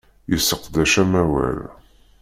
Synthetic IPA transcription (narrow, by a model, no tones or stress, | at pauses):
jəsːəqd̪æʃæmæwæ̰l